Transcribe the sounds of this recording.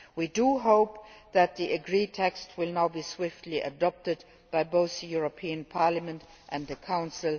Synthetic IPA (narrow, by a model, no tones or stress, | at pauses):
widuɦoʊpðæt̪̚ðiʔɨɡɹiːtʰɛkstwɪlˠnaʊbiːswɪftʰliʔə̰dɔp̚tɨd | b̥aɪboʊθðəjuɹopʰiːə̃npʰɑɹləmə̃nt | ʔæ̃nðəkʰãʊ̃nsɪlˠ